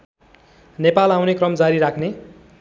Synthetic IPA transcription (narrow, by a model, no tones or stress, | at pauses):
nepalawnekrʌmd͡zaɾiɾakʰne